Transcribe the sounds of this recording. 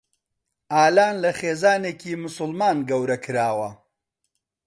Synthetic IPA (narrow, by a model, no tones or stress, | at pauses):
aːlaːnlɐχeːzaːneːkiːmʊsʊlmaːnɡɐwɾɐkʰɨɾaːwɐ